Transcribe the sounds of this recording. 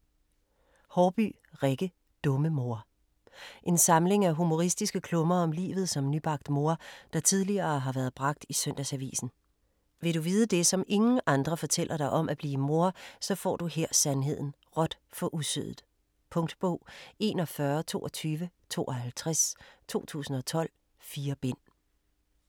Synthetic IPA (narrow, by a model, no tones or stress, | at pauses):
hɒːb̥y̰ː | ʁeɡ̥ə | d̥ɔ̽məmo̝ɐ | ʔe̝nsɑ̈mle̝ŋæɦumo̝ʁisd̥isɡ̥əkʰlɔ̽mɐɒ̽mlḭːʋð̩ˠsɒ̽mnyb̥ɑ̈ɡ̥d̥mo̝ɐd̥ɑ̈t͡sʰið̞ˠliɐːɦɑ̈ʋæɐð̩ˠb̥ʁɑ̈ɡ̥̚d̥isøn̰d̥æsæʋḭːsn̩ | ʋe̝ɾuʋiːð̞ˠəd̥e̝sɒ̽me̝ŋn̩ʔɑ̈nd̥ʁɐfɒ̽t͡sʰel̰ʔɐɾ̥ɑ̈ɪʔɒ̽mʔæb̥liːmo̝ɐsɒ̽fɒ̰ːd̥uheɐ̰sænɦe̝ð̞̰ˠn̩ | ʁɒ̽d̥fɒ̽ʔusøð̰ˠð̩ˠ | pʰɔ̽ŋd̥b̥ɔ̰ʊ̰e̝̰ːnɒ̽fɶɐt͡sʰo̝̰ːɒt͡sʰyːʋət͡sʰo̝̰ːʔɒ̽hælt͡sʰʁast͡sʰo̝̰ːt͡sʰṵːsn̩ɒ̽t͡sʰɒ̽l̰ | fiːɐb̥en̰